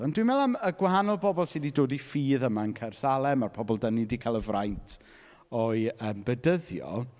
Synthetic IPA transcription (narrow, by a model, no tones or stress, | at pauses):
ɔndwimɛlˠaməɡwaɦanɔlˠbɔbɔlˠsiːdidoːdifiːðəmaənkʰɛrsalˠɛmarpʰɔbɔlˠdənidikʰalˠəvrajntʰ | ɔɨəːmbədəðjɔ̰